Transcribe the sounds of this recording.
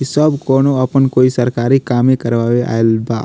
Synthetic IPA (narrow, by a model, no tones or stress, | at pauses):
isəbkɔːnoɐpənkoːisəɾkaːɾikaːmẽkəɾʋaːweʔa̰ːelba̰ː